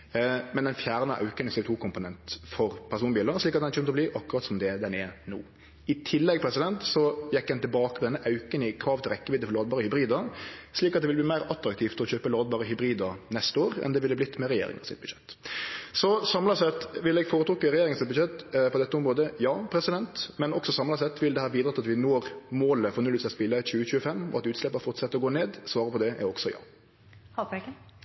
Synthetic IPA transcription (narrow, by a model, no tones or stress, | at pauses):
mɛnd̪ɛnfjæːʁnəʔɑ̰ʉknɪsɛɪt̪ʰuːkʰʊmpʊnɛnt̪fɔɾpʰæʁs̬uːnbiːləʁʂliːkɑt̪d̪ɛnçøːmət̪ɔbliːʔɑkːʊɾɑt̪sɔmd̪ɛd̪ɛnɛnṵː | ɪt̪ʰɪlːɛɡpʰɾɛsɪd̪ɛnt̪sɔjɛkːd̪ɛnt̪ɪlbɑːkəpʰɔd̪ɛnːəʔɑʉkənɪkʰɾɑːʋt̪ʰɪlʁɛkːəbɪːd̪əfɔɾloːd̪bɑːɾəhʏbɾiːd̪əsliːkɑt̪d̪ɛʋɪlbliːmæɪɾɑt̪ɾɑkt̪ʰiːft̪ʰɪlɔçøːpəloːd̪bɑːʁəhʏbɾiːd̪əɾnɛst̪əoːɾɛ̰nd̪ɛʋɪlːəblɪt̪ːmɛɾɛjḛːɾɪ̰ŋɑ̰sɪ̰t̪̚bʉ̥ʃɛt̪ːsɔsɑmlɑsɛt̪ʋɪlɛɡfoːɾət̪ɾuːkːəɾɛjeːɾɪŋənsɪt̪bʉd̪ʃɛt̪pʰɔd̪ɛt̪ːəɔmɾoːd̪əjɑːpʰɾɛsɪd̪ɛnt̪mɛnɔksɔsɑmlɑsɛt̪ʋɪld̪ɛhæːɾʋiːd̪ɾət̪ʰːɑt̪ʋɪnoːɾmoːləfɔɾnʉlːɪtsɛt̪spɪlːəçʉːəçʉːəfɛmːɔ̰ɑt̪ʉːt̪slɛpːəɾfɔɾt̪sɛt̪ːɔɡoːneːd̪sʋɑːɾəpʰɔd̪ɛɛ̰ɾɔɡsɔjɑ̰ː | hɑpɛk